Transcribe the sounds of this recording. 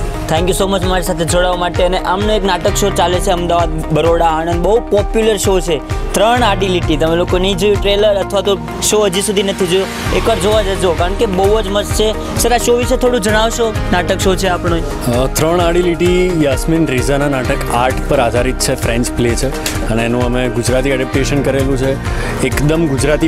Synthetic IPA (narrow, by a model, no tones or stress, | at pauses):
t̪ʰɛ̃ŋkjusomət͡ʃʰmaɾisat̪ʰed͡ʒoɽaʋamaʈeəneʔamnoeknaʈəkʃot͡ʃalet͡ʃʰeəmd̪aʋad̪̚bəɾoɽaːɽ̃ənd̪bəɦupɔpjuləɾʃot͡ʃʰet̪ɾəɳaɖiliʈit̪əmelokonəĩd͡ʒəjũʈɾeləɾət̪ʰʋat̪o | ʃoəd͡ʒisud̪ʱinət̪ʰid͡ʒojo | ekʋaɾd͡ʒoʋad͡ʒəd͡ʒokaɾəɳkebəuəd͡ʒməst͡ʃʰe | səɾaʃoʋiʃet̪ʰoɽũd͡ʒəɽ̃aʋʃonaʈəkʃot͡ʃʰeapɳ̃o | t̪ɾəɳaɽiliʈijasminɾizananaʈəkaɾʈʰpəɾad̪ʱaɾit̪t͡ʃʰefɾẽɲt͡ʃplet͡ʃʰe | əneːnũəmeɡud͡ʒɾat̪iɛɖɛp̚ʈeʃənkəɾelũt͡ʃʰe | ekd̪əmɡʊd͡ʒɾat̪i